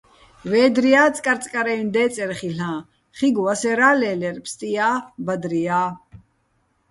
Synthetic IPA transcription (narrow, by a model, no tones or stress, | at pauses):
vɛːd̪ɾiaːt͡sʼkʼaɾt͡sʼkʼaɾɛind̪ɛːt͡sʼɛɾχiɬãː | χiɡuwasɛɾaːlɛːlɛɾpʰst̪ʼijaːbad̪ɾiaː